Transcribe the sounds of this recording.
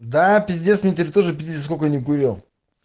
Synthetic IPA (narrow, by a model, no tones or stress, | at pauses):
d̪apʲɪt̪ʲd̪ʲesmʲet̪ʲɪɾʲɪt̪oʐɨpʲɪt̪ʲies̬kokənʲɪkʊɾʲem